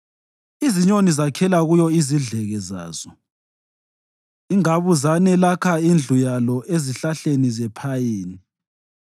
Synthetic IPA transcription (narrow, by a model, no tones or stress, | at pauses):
iziɲonizakʰɛlaɣujɔiziɮɛɣɛza̰ːz̥ɔ | iŋaβuzanɛlakʰaind͡ɮʱujalɔʔeziɬaɬenizɛpʰajeːni